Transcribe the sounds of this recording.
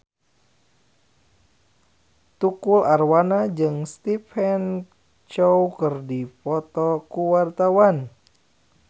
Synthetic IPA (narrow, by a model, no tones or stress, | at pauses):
t̪ukularwanad͡ʒɨŋst̪ifɛn | t͡ʃowkərdipɔt̪ɔkuwart̪awan